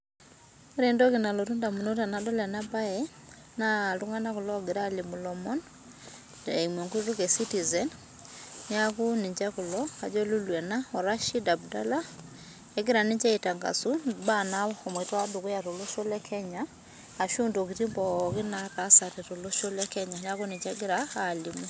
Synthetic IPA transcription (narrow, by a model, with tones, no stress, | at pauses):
ɾe˨ndɔ˦kɪ˨na˨lo˨tu˦nda˨mu˨no˦ta˨nadɔ˦lɛ˨na˦ba˦ɛ | na˦˨lu˦ŋa˦na˦kʊ˨lɔ˦ɡɪ˨ɾa˦li˨mu˨lɔmɔ˦n | ɛi˨mwɔ˨ŋku˦ɾu˦kɛ˨si˦ti˨zɛn | ɲa˦ku˦ni˨ɲd͡ʒa˦ku˨lɔ˦ka˨d͡ʒɔ˦lu˦lwɛ˨na˦ɔ˨ɾa˦ʃi˦da˨b̚da˦la˦ | ɛ˦ɡɪ˦ɾa˨nɪ˦ɲt͡ʃɛ˦i˨ta˨ŋɡa̰˨su˦banaɔ˨m˨e˨tɔ˦wa˦du˨ko˦ja˨to˨lo˦ʃo˦lɛ˦kʰɛ˦ɲaː˨ | ʃu˦ndokiti˦mbɔkɪ˦na˦ka˦sa˨tɛto˨lo˦ʃo˦lɛ˦kɛ˦ɲaɲ˦a˦ku˦nɪ˨ɲd͡ʒɛɡɪ˦ɾaːlimu